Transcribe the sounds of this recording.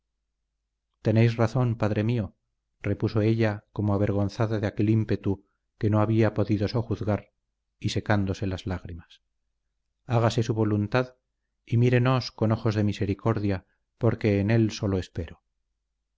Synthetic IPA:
t̪e̞nejsraθo̞npaðɾe̞mio̞ | re̞puso̞e̞ʎako̞moaβ̞e̞ɾɣ̞onθaðaðeake̞limpe̞t̪u | ke̞noaβiapo̞ðiðo̞so̞xuθɣaɾ | ise̞kand̪o̞se̞lazlaɣɾimas | aɣase̞suβo̞lunt̪að | imiɾe̞no̞sko̞no̞xo̞zðe̞mise̞ɾiko̞ɾðja | po̞ɾke̞ːne̞lso̞loespe̞ɾo

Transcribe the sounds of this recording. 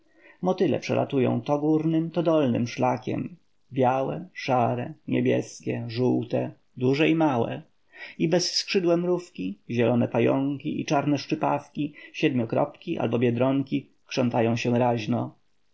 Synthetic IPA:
mɔt̪ɘlɛ̰pʂɛ̰la̰t̪ujɔ̰̃w̃t̪ɔɡuɾnɘmt̪ɔd̪ɔlnɘ̰mʂlakʲɛ̰m | bʲjawɛʂaɾɛɲebʲjɛskʲɛʐuwt̪ɛ | d̪uʐɛimawɛ̰ | ibɛsskʂɘd̪wɛmɾufkʲiʑɛlɔnɛpajɔŋkʲiʔḭt͡ʂaɾnɛʂt͡ʂɘpafkʲiɕɛd̪mʲɔkɾɔ̰pkʲiʔa̰lbɔbʲjɛd̪ɾɔŋkʲi | kʂɔnt̪ajɔ̃w̃ɕɛɾaʑnɔ

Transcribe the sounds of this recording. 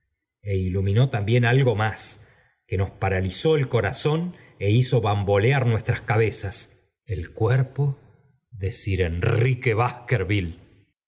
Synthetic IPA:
e̞ilumĩno̞t̪ambje̞nalɣo̞mas | ke̞no̞spaɾaliso̞elko̞ɾaso̞n | e̞iso̞βambo̞leaɾnwe̞st̪ɾaskaβe̞sas | elkweɾpo | ðesiɾenrikeβahkeɾβil

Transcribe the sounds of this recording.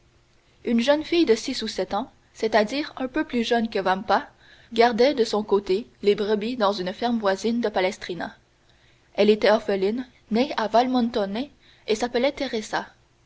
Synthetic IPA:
ynʒənfijd̪əsisusɛt̪ɑ̃ | set̪ad̪iːʁɛ̃pøplyʒœnkəvampa | ɡaʁd̪ɛd̪əsɔ̃kot̪elebʁəbid̪ɑ̃zynfɛʁmvwazind̪əpalɛst̪χina̰ | ɛlet̪ɛɔʁfəlinː | eavalmɑ̃nt̪ɔne | esapəlɛt̪eʁeza

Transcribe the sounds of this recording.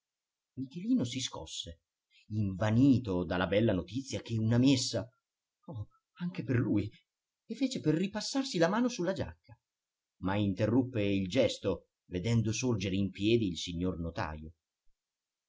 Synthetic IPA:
mikeliːnosiskɔ̰sːe | iɱvaniːt̪od̪alːabɛlːanot̪it̪sːjak̟eunamesːa | ɔ | aŋk̟eperluːj | efːeːt͡ʃeperːipasːarsilamaːnosulːad͡ʒa̰kːa | maint̪erːupːeild͡ʒɛst̪o | ved̪ɛnd̪osord͡ʒeɾeimpjɛːd̪iːlsiɲːornot̪a̰ːjo

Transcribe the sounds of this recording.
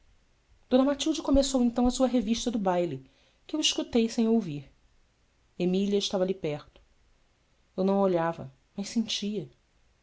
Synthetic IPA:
d̪̥õnɐmat͡ʃiwd͡ʒɪkomesowẽt̪ɐ̃w̃ɐsuɐɦeviʃt̪ɐd̪ʊbajlɪ | kɪewiʃkut̪ejsẽj̃owviɾ | emiliɐɪʃt̪avɐlipɛɾt̪ʊ̥ | ewnɐ̃w̃oʎavɐ̰ | mɐjʃsẽnt͡ʃiɐ

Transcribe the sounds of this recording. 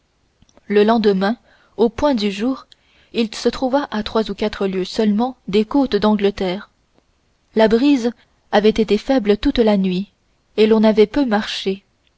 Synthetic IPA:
ləlɑ̃d̪əmɛ̃ | opwɛ̃d̪yʒuːʁ | ilsət̪χuvaʔat̪χwazukat̪χəljøsœlmɑ̃d̪ekot̪d̪ɑ̃ɡlət̪ɛːʁ | labʁiz | avɛt̪et̪efɛblət̪ut̪lanɥi | elɔ̃navɛpømaʁʃe

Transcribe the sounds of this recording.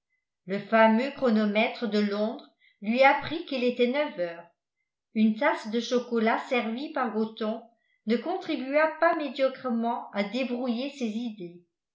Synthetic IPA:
ləfamøkχɔnɔmɛt̪χəd̪əlɔ̃d̪ʁ | lɥiapχikilet̪ɛnœvœːʁ | ynt̪asd̪əʃɔkɔlasɛʁvipaʁɡot̪ɔ̃ | nəkɔ̃t̪χibyapamed̪jɔkχəmɑ̃ad̪ebʁujesezid̪e

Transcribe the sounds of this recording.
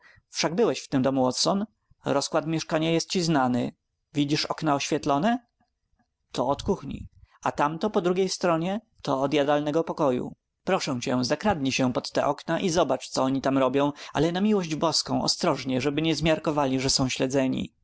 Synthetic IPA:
fʂaɡ̚bɘwɛɕft̪ɘmd̪ɔmuwɔt̪sɔn | ɾɔskwat̪mʲjɛʂkaɲajɛst̪̚t͡ɕiznanɘ | vʲid͡ʑiʂɔ̰knaɔɕfʲjɛt̪lɔnɛ | t̪ɔɔt̪kuxɲḭat̪amt̪ɔpɔd̪ɾuɡʲejst̪ɾɔɲɛ | t̪ɔːd̪ʲjad̪alnɛɡɔpɔkɔjṵ | pɾɔʂɛ̃w̃t͡ɕɛzakɾad̪ɲiɕɛpɔt̪ːɛ̰ʔɔknaʔizɔbat͡ʂt̪sɔɔɲit̪amɾɔbʲjɔ̃w̃a̰lɛnamʲiwɔʑd͡ʑbɔskɔ̃w̃ɔ̰st̪ɾɔʐɲɛʐɛbɘɲɛzmʲjaɾkɔvalʲiʐɛsɔ̃w̃ɕlɛd̪zɛɲḭ

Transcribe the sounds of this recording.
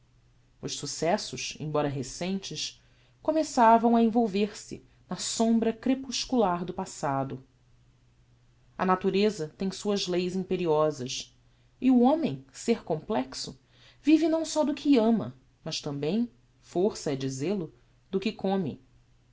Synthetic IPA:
ʊʃsusɛsʊʃḛ̃j̃bɔɾɐɦesẽnt͡ʃɪʃ | komesavɐ̃w̃ɐẽvowveɾsɪ̰ | nɐsõmbɾɐkɾepuʃkulaɾd̪ʊpasad̪ʊ | ɐ̰nat̪uɾezɐt̪ẽj̃suɐzlejzĩpeɾiɔzɐʃ | iuõmẽj̃seɾkõmplɛksʊ | vivɪnɐ̃w̃sɔd̪ʊkʰɪɐ̃mɐ̰ | mɐʃt̪ɐ̃mbẽj̃ | foɾsɐɛd͡ʒizelʊ | d̪ʊkɪkʰõmɪ̰

